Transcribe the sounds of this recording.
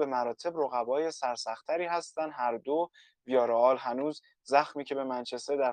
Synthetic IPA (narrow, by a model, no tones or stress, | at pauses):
be̞mæɾɒːt̪ʰe̞bɾoɣævɒːje̞sæɾsæxt̪ʰːæɾiːhæst̪ænd̪ɦæɾd̪o | vijɒːɾeɒːlɦænuːz | zæxmiːcʰe̞be̞mænt͡ʃʰest̪eɾd̪æɾ